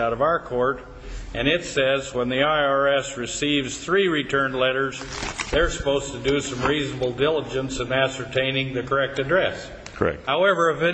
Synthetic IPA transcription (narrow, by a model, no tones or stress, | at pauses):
aʊɾʌvaʊə˞kʰɔɹɾ | ʔɨ̃ñɪtsɛzwə̃nðiaɪɑɹɛsɹɨsivz̥θɹiɹitʰɜ̃˞nlɛɾə˞zðə˞sə̥poʊz̥tʰɨdɨsʌ̃mɹiznəbl̩ˠdɪlˠəd͡ʒɨ̃nsɨ̃næsə˞tʰẽɪ̃nɪ̃ŋðɨkʰə˞ɛk̚tɨdɹɛs | kʰɛ̰haʊɛvə˞ɨvɪ